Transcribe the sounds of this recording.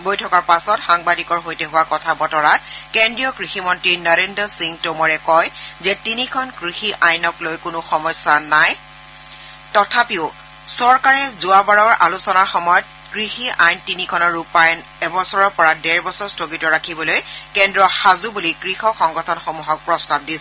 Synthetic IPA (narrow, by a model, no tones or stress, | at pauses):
bojtʰɔkaɹpasɔtxaŋbadikɔɹɦojtɛɦʊwakɔtʰabɔtɔɹat̚kendɹiɔkɹiximɔntɹinaɹendɔsiŋtomɔɹɛkɔjzɛtinikʰɔnkɹixiʔajnɔklojkʊnʊxɔmɔsanaj | tɔtʰapiʊ | sɔɹkaɹɛzʊabaɹɔɹʔa̰lusɔnaɹxɔmɔjɔt̚ | kɹixiʔajntinikʰɔnɔɹːupajn | ɛbɔsɔɹɔɹpɔɹadɛɹbɔsɔɹstɹoɡitɔɹakʰibɔlojkɛndɹɔxazubulikɹixɔxɔŋɡɔtʰɔnxomuɦɔk̚pɹɔstab̚disɛ